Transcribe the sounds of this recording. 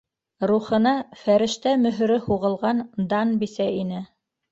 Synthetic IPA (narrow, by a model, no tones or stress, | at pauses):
ɾuχɤ̆nɑfæɾɘ̆ʃt̪æmɵ̆ɦ̆ɾɘhuʁɤ̆lˠʁɑnd̪ɑnbisæinɘ